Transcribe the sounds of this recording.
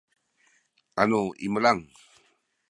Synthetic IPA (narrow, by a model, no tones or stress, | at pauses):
anuḭməlaŋ